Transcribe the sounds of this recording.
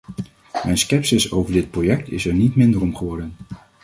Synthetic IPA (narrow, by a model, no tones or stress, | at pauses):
mɛjnskɛpsɪsowvəɹdɪt̚projɛk̚tɪ̰sɛɹnitmɪndəɹɔmχəʋɔɹdən